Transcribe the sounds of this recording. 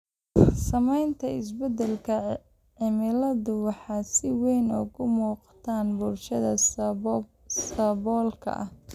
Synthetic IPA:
sɐmɛjnt̪ʰɐɪs̬bɛd̪ɛlkʰɐ | ʕɪmɪlɐðʊwɑħɑːsɪwɛjnɔːɣʊmuːqɑ̥t̪ʰaːnbʊlʃɐðɐ | sɐβɔːlkʰɐ̰ʔɐ̰h

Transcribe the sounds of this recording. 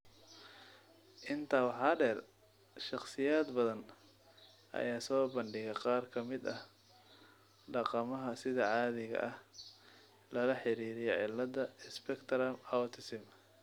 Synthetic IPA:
ʔɪnt̪ʰaːwɑħɑːɖɛːr | ʃɑqsɪjaːd̪bɐðɐn | ʔɐ̰jaːsɔːbɐɳɖɪɣɛqɑːrkʰɐmɪd̪ɐh | ɖɑqɑmɐɦɐsɪðɐʕɑːðɪɣɐ̰ʔɐh | lɐlɐħɪɾiːɾɪjɔʕɪlːɐd̪ɐɪspɛkt̪ʰɾɐmɐt̪ʰɪsɪm

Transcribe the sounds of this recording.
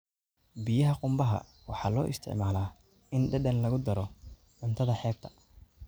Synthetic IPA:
bɪjɐɦɐqʊmbɐɦɐ̰ | wɑħɑːlɔːʔɪ̰st̪ʰɪ̰ʕmaːlaː | ɪnɖɐɖɐnlɐɣʊd̪ɐɾɔ | ʕʊnt̪ʰɐðɐħɛːɡ̚t̪ʰɐ̥

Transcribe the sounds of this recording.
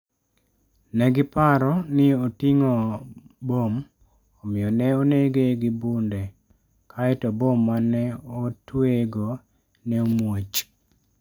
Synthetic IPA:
nɛɡɪpaɾɔnɪotiŋɔbom | omɪjɔnɛoneɡeɡɪbunde | kʰaɛtɔbomːanɛotweɡo | nɛomwot͡ʃ

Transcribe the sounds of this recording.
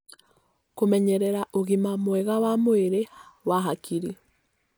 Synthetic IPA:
komɛɲɛɾɛɾaʔoɣimamwɛɣawamoeɾewaɦakʰiɾi

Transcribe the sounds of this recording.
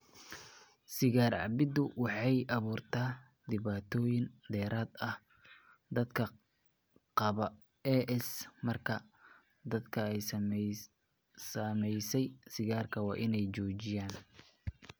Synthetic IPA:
sɪɣaːrʕɑ̰bɪd̪ʊwɑħɑjʔɐβuːrt̪ʰaː | d̪ɪβaːt̪ʰɔːjɪnd̪ɛːɾaːd̪ɐh | d̪ɐd̪kʰɐ | qɑβɐ | ɛʔɛsmɐrkʰɐ | d̪ɐd̪kʰɐɛj | sɐmɛjsɛjsɪɣaːrkʰɐwɑːʔɪnɛjt͡ʃɔːt͡ʃɪjaːn

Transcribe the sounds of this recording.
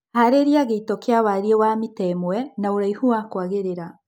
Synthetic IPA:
haɾeɾiaɣeitɔkeaβaɾiewamitɛmwɛnaoɾaihuakwaɣeɾeɾa

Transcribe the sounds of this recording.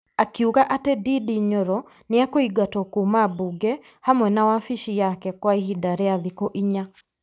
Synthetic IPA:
akiukaʔatɛdidiɲoɾɔ | nɪakoiɡatɔkumabuɡɛ | hamwɛnawafiʃijakɛkwaihidaɾɛaðɪkoʔiɲa

